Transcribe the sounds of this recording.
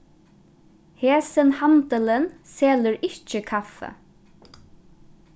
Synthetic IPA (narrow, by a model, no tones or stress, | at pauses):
heːsənhant̪ələnseːləɹɪht͡ʃəkʰafə̰